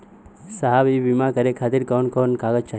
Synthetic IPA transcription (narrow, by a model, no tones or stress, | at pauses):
saɦabibimakəɾekʰaːt̪iɾkoːnkoːnkaːɡəd͡ʒt͡ʃʰa